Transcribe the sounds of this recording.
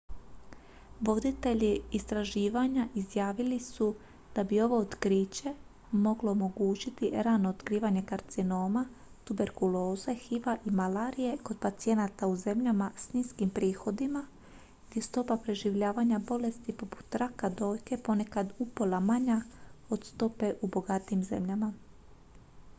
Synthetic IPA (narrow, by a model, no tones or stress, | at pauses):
ʋo̞d̪it̪e̞ʎiːst̪ɾaʒiːʋaɲaʔizjaːʋilisu | d̪̥abio̞ʋo̞ot̪kɾiːt͡ɕe̞ | mo̞ɡlo̞omo̞ɡuːt͡ɕit̪iɾaːnoːt̪kɾiːʋaɲe̞kaɾt̪sino̞ːma | t̪ube̞ɾkulo̞ːze̞xiʋaʔimalaːɾije̞ko̞d̪̚pat̪sije̞nat̪auze̞mʎamasniːskimpɾiːxo̞d̪ima | ɡd̪ʲje̞st̪o̞papɾe̞ʒiʋʎaːʋaɲabo̞le̞st̪ipo̞pu̥t̪ːɾakad̪o̞ːjke̞po̞ne̞kad̪upolamaɲao̞d̪st̪o̞pe̞ʔubo̞ɡat̪iːmze̞̰mʎama